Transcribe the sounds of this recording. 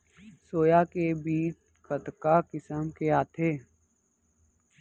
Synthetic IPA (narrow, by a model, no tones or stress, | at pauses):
soːjakebiːt͡ʃ | kət̪kaːkɪsəmkeaːt̪ʰeː